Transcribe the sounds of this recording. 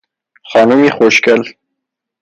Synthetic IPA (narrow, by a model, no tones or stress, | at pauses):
χɑnʊmixoʃkəl